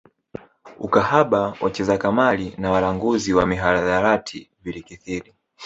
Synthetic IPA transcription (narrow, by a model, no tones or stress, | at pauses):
ukahaɓawʔat͡ʃɛzakamalinawalaŋɡuziwamiɦalaðaɾatʰivilikiθiɾi